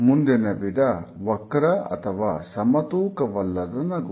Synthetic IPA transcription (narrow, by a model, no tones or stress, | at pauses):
mund̪enɐbiɖɐʋɐkːɾɐɐ̰t̪ɐʋasɐmɐt̪ukɐʋɐlːɐd̪ɐnɐɡ